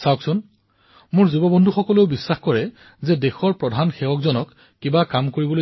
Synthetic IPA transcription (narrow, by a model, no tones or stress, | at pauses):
sawksun | mʊɹzubɔbɔndʱuxɔkɔleʊbisːaxkɔɹɛ | zɛdexɔɹpɹɔdʱanxɛwɔkzɔnɔkː | ibakamkoɹibɔloj